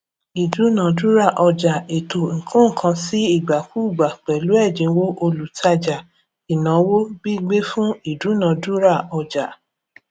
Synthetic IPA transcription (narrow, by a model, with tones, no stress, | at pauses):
i˨du˨˦nã˨˦du˦ɾa˦˨ʔɔ˧d͡ʒa˨e˨to˨ŋ̩˨kʰũ˦˨kʰã˧˦si˦i˦˨ɡ͡ba˨ku˦˨ɡ͡ba˨k͡pɛ˨lu˨˦ɛ˦˨d͡ʒĩ˨˧˦wo˦ʔo˧lu˨tʰa˧d͡ʒa˨ | i˨nã˨˦wo˦bi˦ɡ͡be˦fũ˦i˦˨du˨˦nã˨du˦ɾa˦˨ɔ˧d͡ʒa˨